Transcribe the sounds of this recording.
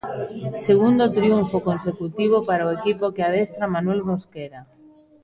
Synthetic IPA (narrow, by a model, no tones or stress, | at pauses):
seɣ̞und̪ot̪ɾiuɱfokonsekut̪iβ̞opaɾaoekipokeað̞est̪ɾamanwelmoskeɾa